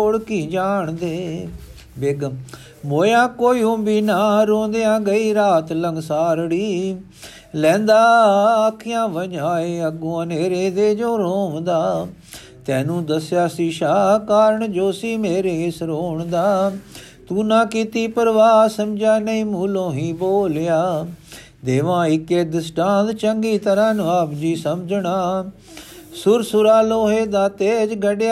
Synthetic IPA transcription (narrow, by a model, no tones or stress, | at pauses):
oɽkiːd͡ʒaːɳd̪eː | beːɡəm | moːjãːkoːiːõːbiːnaːɾõːnd̪eːãːɡəiːɾaːt̪ləŋɡsaːɾɽiː | lɛ̃ːnd̪aːaːkʰːijãːʋəɲaːeːəɡõːəneːɾeːd̪eːd͡ʒoːɾoːʋd̪aː | t̪ɛ̃ːnũːd̪əsjaːsiːʃaːkaːɾəɳd͡ʒoːsiːmeːɾeːɪsɾoːɳd̪aː | t̪ũːnãːkit̪iːpəɾʋaːsəmd͡ʒaːnəĩːmuːlõːɦĩːboːljaː | d̪eːʋãːɪkːeːd̪ɪsʈãːd̪t͡ʃə̃ŋɡiːt̪əɾãːnʋaːbd͡ʒiːsəmd͡ʒɳaː | sʊɾsʊɾaːloːɦeːd̪aːt̪eːd͡ʒɡəɖjaː